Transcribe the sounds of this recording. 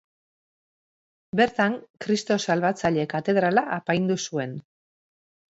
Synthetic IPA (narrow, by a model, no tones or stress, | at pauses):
be̞ɾt̪aŋkɾist̪o̞salβat͡saʎe̞kat̪e̞ðɾalaʔapajnd̪usue̞n